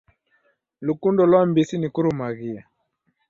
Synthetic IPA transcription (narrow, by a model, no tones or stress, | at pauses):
lukundɔlwambisinikuɾumaɣia